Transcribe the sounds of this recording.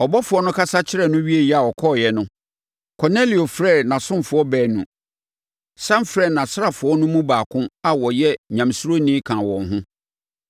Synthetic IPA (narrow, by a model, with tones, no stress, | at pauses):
ɔ˨bɔ˦fʊ˨ɔ˦nʊ̃˦kʰa˦sa˦t͡ɕʰɪ˦ɾɛ˨nʊ̃˦ɥi˦e˨jɛ˦a˨ɔ˨kʰɔ˦˨jɛ˦nʊ̃˦ | kʰɔ˨ne˦li˨o˨fɾɛ˦˨nã˨sʊ̃˦mfʊ˨ɔ˦bɛː˨nũ˨ | sã˦mfɾɛ˦˨nã˨sɾa˨fʊ˨ɔ˦nʊ̃˦mũ˦baː˨kʰʊ̃˦a˨wɔ˨jɛ˦ɲã˨msu˦ɾo˦nĩ˦kʰã˨wɔ̃˨nɦʊ̃˦